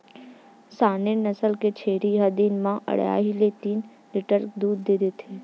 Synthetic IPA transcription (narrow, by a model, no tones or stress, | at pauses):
saːnenəsəlket͡ʃʰeːɾiɦəd̪iːnmãʔə̰ɽja̰ːɦilet̪iːn | liʈəɾd̪uːɾd̪ɪd̪et̪ʰeː